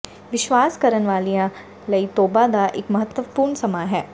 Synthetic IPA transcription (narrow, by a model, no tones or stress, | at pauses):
ʋɪʃʋaːskɐɾənʋaːlijã | lɐit̪oːbad̪aʔɪkmɐɦət̪wəpuːɾɳsɐmaɦɛː